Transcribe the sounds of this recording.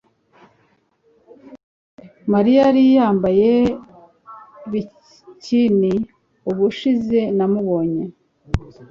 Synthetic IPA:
maɾijaɾijaːmbaje | βi | cini | uβuʃize̞namuβo̞ːɲe̞

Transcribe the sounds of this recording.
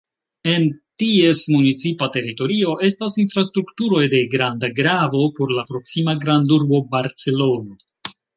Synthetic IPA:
e̞ntie̞smunit͡sipate̞ɾito̞ɾio̞ʔe̞stasinfɾastɾuktuɾo̞jde̞ɡɾandaɡɾavo̞po̞ɾlapɾo̞ksimaɡɾanduɾbo̞baɾt͡se̞lo̞no

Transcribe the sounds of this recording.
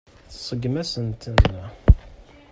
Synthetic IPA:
θsˤəɡmæsənt̪ən

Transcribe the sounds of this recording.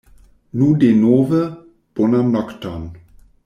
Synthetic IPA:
nudenoːvə | b̥onamnɔktɔn

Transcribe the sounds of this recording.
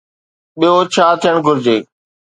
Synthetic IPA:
ɓijot͡ɕʰaːt̪ʰijəɽ̃ɡʱʊɾd͡ʑeː

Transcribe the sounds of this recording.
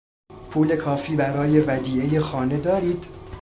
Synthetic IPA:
pʰuːle̞kʰɒːfiːbæɾɒːje̞væd̪iːejexɒːne̞d̪ɒːɾiːd̪̥

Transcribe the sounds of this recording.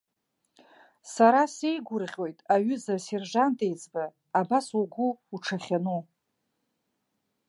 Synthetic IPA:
saɾasejɡʷʊrʁʲo̞jtʼaɥʏzase̞rʐantʼejt͡sʼbaː | basuɡʷʊuʈ͡ʂʰaχʲanu

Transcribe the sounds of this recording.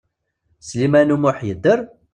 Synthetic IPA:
slimænumʊħjəd̪ːəɾ

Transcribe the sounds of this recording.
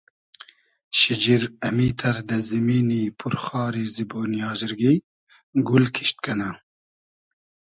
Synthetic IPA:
ʃid͡ʒiɾɐmiːt̪ʰɐɾd̪ɐzimiːnipʰuɾxɑːɾiziboːnijɑːzɪɾɡi | ɡulkʰiʃt̪̚kɐna

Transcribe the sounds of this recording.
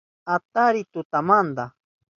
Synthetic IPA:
at̪aɾɪt̪ʊt̪amand̪a

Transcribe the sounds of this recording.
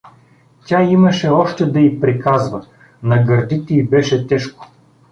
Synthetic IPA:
tʲaimɐʃɛɔʃt̪ɛd̪ɐipɾikazvɐ | nɐɡɐɾd̪it̪ɛibɛʃɛt̪ɛʃko̥

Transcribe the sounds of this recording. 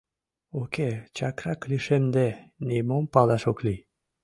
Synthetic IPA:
oket͡ɕɑkɾɑkliʃemd̪enʲemompɑlɑʃokli

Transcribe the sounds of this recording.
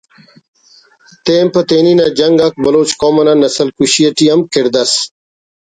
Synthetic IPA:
t̪eːmpɐt̪eːniːnad͡ʑɐŋɡɐk̚bɐloːt͡ɕkoːmɐnaːnɐsɐlkuɕijɐʈiɐmkeɾd̪ɐs

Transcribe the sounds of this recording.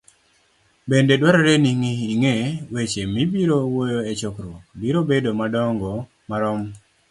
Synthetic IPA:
bendedwaɾɔɾeniŋiːŋewet͡ʃemibiɾowojoet͡ʃɔkɾwokbiɾobedomadɔŋɡɔ | maɾɔm

